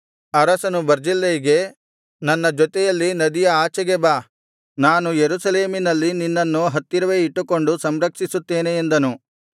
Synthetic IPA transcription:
ɐɾɐsɐnubɐɾd͡ʒilːɐjiɡe̞ | nɐnːɐd͡ʒɔt̪ɛjɐlːinɐd̪ijɐaːt͡ʃɐɡebaː | naːnujeɾusɐle̞ːminɐlːininːɐnːuɦɐt̪ːiɾɐʋe̞ːiʈːuko̞ɳɖusɐmɾɐkʂisut̪ːeːneːnd̪ɐnu

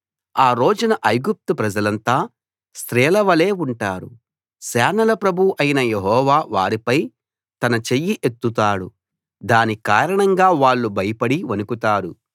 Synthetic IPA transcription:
aːɾo̞ːd͡ʒunɐʔɐjɡup̚t̪upɾɐd͡ʒɐlɐnt̪aː | st̪ɾɛːlɐʋɐle̞ːuɳʈaːɾṵ | sɛːnɐlɐpɾɐbʱuʔɐjinɐjeɦɔːʋaːʋaːɾipɐj | t̪ɐnɐt͡ʃejːiʔet̪ːut̪aːɽṵ | d̪aːnikaːɾɐɳɐŋɡaːʋaːɭːubʱɐjɐpɐɽiʋɐnukut̪aːɾu

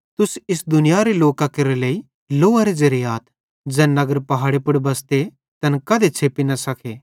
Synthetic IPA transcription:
t̪ʊsɪsd̪ʊnɪjaɾeloːkakɐɾelei | loːaɾezɐɾɪjaːt̪ʰ | d͡ʒɛ̃ːnɐɡəɾpɐɦaːɽepʊɽbɐst̪e | t̪ɐnkɐd̪et͡ʃʰeːpinɐsɐkʰeː

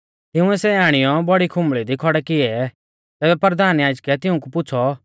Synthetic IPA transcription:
t̪ɪʊ̃ɛsɛaːɽ̃ɪjɔbɔɽikʰʊ̃mɭid̪ikʰɔɽɛkɪɛ | t̪ɛːbɛpəɾəd̪ʱaːnjaːd͡ʒkɛt̪ɪʊ̃k̬upʊːt͡sʰɔ

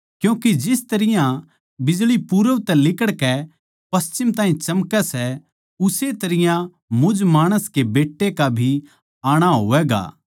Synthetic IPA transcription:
kjũːkid͡ʒɪst̪ɐɾɪjã | bɪd͡ʒɭipuɾə̃t̪ɛlɪkəɽkɛ | pɐst͡ʃɪmt̪aːɦĩt͡ʃɐmkɛsɛ | ʊset̪ɐɾɪjã | mʊd͡ʒmaːɽ̃əskebeːʈːekabʱi | aːɽ̃aɦo̰ːʋɛːɡa̰ː

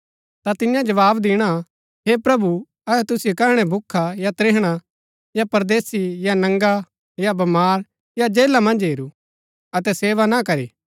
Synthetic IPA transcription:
t̪at̪ɪjãd͡ʒɐʋaːbd̪ɪːɽ̃a | ɦepɾɐbu | ɐɛt̪ʊsɪjokɐɾɽ̃ɛbʱʊkʰːajat̪ɾeːɦɽ̃a | japɐɾd̪eːsijanɐ̃ŋɡa | jabɐmaːɾ | jad͡ʒeːlamɐ̃nd͡ʒɦeːɾu | ɐt̪ɛseːʋanakɐɾiː

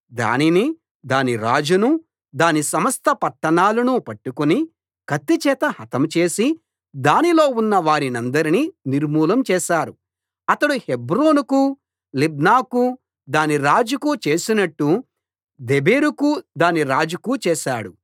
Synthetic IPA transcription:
d̪a̰ːnini | d̪aːniɾaːd͡ʒunu | d̪aːnisɐmɐst̪ʰɐpɐʈːɐɳaːlɐnupɐʈːukuni | kɐt̪ːit͡ʃɛːt̪ɐhɐt̪ɐmt͡ʃe̞ːsi | d̪aːnilo̞ːunːɐʋaːɾinɐnd̪ɐɾininiɾmuːlɐmt͡ʃɛːʃaːɾu | ɐt̪ɐɽuhebɾo̞ːnuku | lib̚naːku | d̪aːniɾaːd͡ʒukut͡ʃe̞ːsinɐʈːu | d̪ebeːɾukud̪aːniɾaːd͡ʒukut͡ʃɛːʃaːɽu

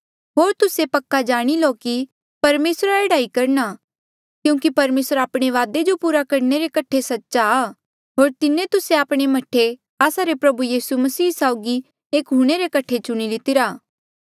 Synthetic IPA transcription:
ɦoːɾt̪ʊsepɐkːad͡ʒaːɽ̃iloki | pɐɾmeːsɾaeːɽaːikɐɾña | kjũːkipɐɾmeːsɾaːpɽ̃eʋaːd̪ed͡ʒopuːɾakɐɾneɾekɐʈʰːesɐtːʃaː | ɦoːɾt̪ɪnẽt̪ʊseaːpɽ̃emɐʈʰe | aːsaɾepɾɐbujiːsumɐsiːsaʊɡi | eːkɦuɽ̃eɾekɐʈʰet͡ʃʊɽ̃ilɪt̪ɪɾaː

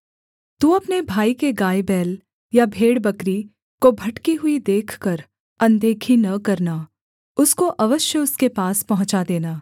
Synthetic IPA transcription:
t̪ũɐpnebʱaːikeɡaːjbɛːl | jabʱeːɽbɐkɾi | kobʱɐʈkiɦʊid̪eːkʰkɐɾ | ɐ̃nd̪eːkʰinɐkɐɾna | ʊskoʔɐʋəʃjəʊskepaːspɐɦʊ̃t͡ʃad̪eːnaː

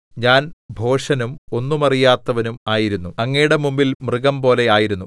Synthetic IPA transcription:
ɲaːnbʱo̞ːʂɐnumo̞nːumɐrijaːt̪ːɐʋɐnumaːjiɾunːuɐŋːejɽemumbilmrɨɣɐmpo̞ːle̞aːjiɾunːu

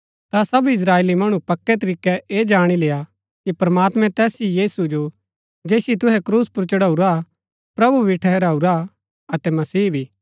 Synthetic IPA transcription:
t̪asɐbɪs̬ɾaːeːlimɐɽ̃upɐkːɛt̪̬ɐɾiːkɛʔeːd͡ʒaːɽ̃ileːja | kipɐɾmaːt̪mɛ̃t̪ɛːsijiːsud͡ʒo | d͡ʒeːsit̪ʊɦɛkɾuːspʊɾt͡ʃɐɽauɾa | pɾɐbubʱiʈʰɛɦɛɾauɾa | ɐt̪ɛmɐsiːbʱiː

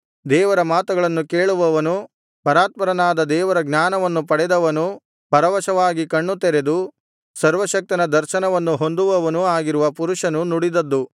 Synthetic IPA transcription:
d̪ɛːʋɐɾɐmaːt̪ɐɡɐɭɐnːukeːɭuʋɐʋɐnu | pɐɾaːt̪̚mɐɾɐnaːd̪ɐd̪ɛːʋɐɾɐɡnaːnɐʋɐnːupɐɽɛd̪ɐʋɐnu | pɐɾɐʋɐʃɐʋaːɡikɐɳːut̪ɛɾed̪u | sɐɾʋɐʃɐk̚t̪inɐd̪ɐɾʃɐnɐʋɐnːuɦo̞nd̪uʋɐʋɐnuaːɡiɾuʋɐpuɾuʂɐnunuɽid̪ɐd̪ːu

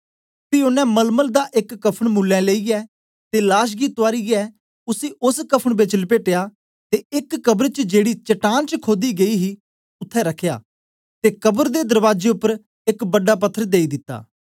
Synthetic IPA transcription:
piʊnɛ̃ːməlməld̪aːʔɪkːəpʰəɽmuːlːɛ̃ːleːiɛː | t̪eːlaːʃ̬ɡiːt̪ʊaːɾiɛː | ʊsiːʔʊskəpʰəɳbɪt͡ʃlpeːʈejaː | t̪eːɪkːəbəɾt͡ʃd͡ʒeːɽiːt͡ʃəʈaːnt͡ʃəkʰoːd̪iɡəiːɦiː | ʊt̪ʰːɛ̃ɾəkʰːja̰ː | t̪eːkəbəɾd̪eːd̪əɾʋaːd͡ʒeːʊpːəɾ | ɪkbəɖːaːp̬ət̪ʰːəɾd̪eːiːd̪ɪt̪ːa̰ː

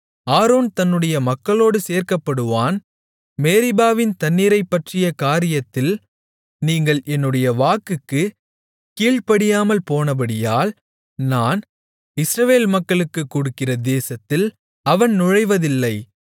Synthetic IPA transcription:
aːɾoːnt̪ɐnːɯɽɐjɐmɐkːɐɭoːɽɯseːɾkɐpːɐɽɯʋaːn | meːɾɪbaːʋɪnt̪ɐnːiɾɐɪpːɐʈrɪjɐkaːɾɪjɐt̪ːɪl | niːŋɡɐɭʔɛnːɯɽɐjɐʋaːkɯkːɯ | kiːɭpɐɽɪjaːmɐlpoːnɐbɐɽɪjaːl | naːn | ɪsɾɐʋeːlmɐkːɐɭɯkːɯkːuːɽɯkːɪrɐd̪eːsɐt̪ːɪl | ɐʋɐnnʊɻɐɪʋɐðɪlːɐɪ

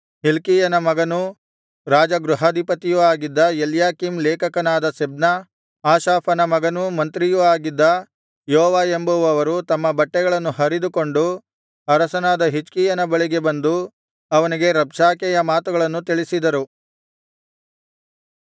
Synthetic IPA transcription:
ɦilkiːjɐnɐmɐɡɐnu | ɾaːd͡ʒɐɡɾuɦɐd̪ʱipɐt̪ijuaːɡid̪ːɐjeljaːkimlɛːkɐkɐnaːd̪ɐsebnɐ | aːʃaːpɐnɐmɐɡɐnumɐnt̪ɾijuaːɡid̪ːɐ | jɔɦɔːʋaːembɐʋuɐʋɐɾut̪ɐmːɐbɐʈːɛɡɐɭɐnːuɦɐɾid̪uko̞ɳɖu | ɐɾɐsɐnaːd̪ɐɦit͡ʃkijɐnɐbɐɭiɡe̞bɐnd̪u | ɐʋɐniɡe̞ɾɐbʂaːkɛjɐmaːt̪uɡɐɭɐnːut̪iɭisid̪ɐɾu

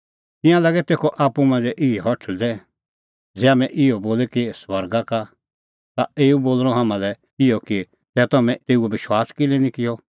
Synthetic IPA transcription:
t̪ɪ̃jãlaɡɛt̪eːkʰɔʔaːpːumãːnd͡zɛʔɪɛɦɔʈʰd̪ɛ | d͡zɛaːmɛ̃ʔɪɔboːlɛkiswɐɾɡaka | t̪aeːuboːlɾ̃ɔɦamãlɛ | ɪjɔki | t̪ɛt̪ɔmɛ̃t̪eːuɛbɪʃwaːskɪlɛnĩkɪjɔ

